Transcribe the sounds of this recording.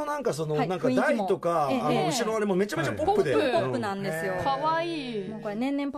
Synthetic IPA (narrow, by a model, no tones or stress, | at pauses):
onãŋkaso̞no̞anãŋkad̪ait̪o̞kaːnoɯt͡ɕiɾõaɾemome̞t͡ɕame̞t͡ɕapo̞pːɯ̟d̪eopːɯnãnd̪esɨjokʰaβaiːnõkanẽ̞nːẽmp